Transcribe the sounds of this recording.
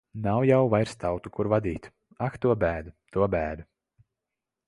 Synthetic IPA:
nawjawvajɾst̪awt̪ukuɾvad̪iːt̪ | akt̪uɔbæːd̪ut̪uɔbæːd̪u

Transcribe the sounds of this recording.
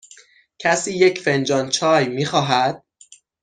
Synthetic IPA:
cʰæsiːjecʰfe̞nd͡ʒɒːnt͡ʃʰɒːjmiːxɒːɦæd̪̥̚

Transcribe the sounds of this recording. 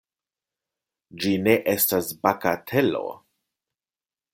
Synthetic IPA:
d͡ʒine̞ʔestasbakatʰe̞lo̰

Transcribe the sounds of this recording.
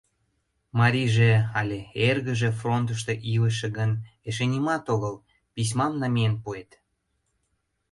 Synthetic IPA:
mɑɾʲiʒeɑlʲeerɣə̆ʒĕfront̪̬əʃt̪eʔiləʃĕɣəneʃenʲimɑt̪oɣəl | pis̬ʲmɑmnɑmijenpuet̪

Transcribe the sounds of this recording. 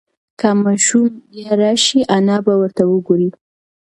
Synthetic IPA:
kamɑʃumjaɾɑʃiʔanɑbawəɾt̪awəɡoɾi

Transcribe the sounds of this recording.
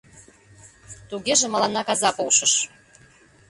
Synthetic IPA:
t̪uɣʲeʒĕmɑlɑnːɑkɑzɑpowʃɤ̆ʃ

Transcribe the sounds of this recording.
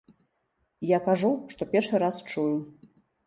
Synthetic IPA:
jakaʐuʂt̪ɔpʲɛrʂɨɾast͡ʂuju

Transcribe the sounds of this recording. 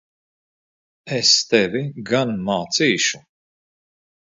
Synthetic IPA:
ɛst̪ɛvʲiɡanmaːt̪siːʃu

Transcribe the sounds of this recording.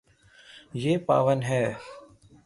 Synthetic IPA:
jeːpa̰ːʋənɦɛː

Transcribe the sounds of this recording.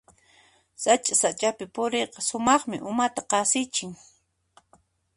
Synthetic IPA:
sat͡ʃʼasat͡ʃʼapɪpʊɾeqɑsʊmɑχmɪʔʊmat̪aqɑsɪt͡ʃɪŋ

